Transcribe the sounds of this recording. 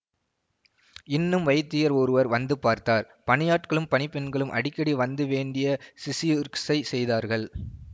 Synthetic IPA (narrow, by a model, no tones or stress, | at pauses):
ɪnːɯmʋɐjt̪ːɪjɐɾɔɾɯʋɐɾʋɐnd̪ɯpaːɾt̪aːɾ | pɐɳɪjaːʈkɐɭɯmpɐnɪpːɛnɡɐɭɯmʔɐ̰ɽɪkːɐɽiʋɐnd̪ɯʋeːɳɖɪjɐsɪsiɾksɐɪsɛjðaːɾɣɐɭ